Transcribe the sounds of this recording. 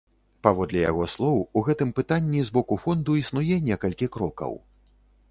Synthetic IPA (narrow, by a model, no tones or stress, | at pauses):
pavɔd̪lʲɛja̰ɣɔslˠɔwuɣɛt̪ɨmpɨt̪anʲːizbɔkufɔnd̪uisnujɛnʲɛkɐlʲkʲikɾɔkɐ̰w